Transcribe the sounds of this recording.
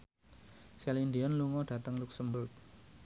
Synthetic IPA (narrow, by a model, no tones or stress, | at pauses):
sɛlind̪iɔnluŋɔɖ̥ä̤t̪əŋluksəmbʊrk̚